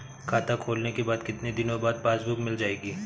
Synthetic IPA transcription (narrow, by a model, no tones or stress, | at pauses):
kʰaːt̪akʰoːlnekebaːd̪kɪt̪ned̪ɪnõbaːd̪̚paːsbʊkmɪld͡ʒaːeːɡiː